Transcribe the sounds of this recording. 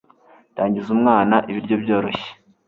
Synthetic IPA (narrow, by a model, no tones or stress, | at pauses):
taːɲɟizumŋaːnaʔiβiɾɟo̞bjo̞ːɾo̞çe̥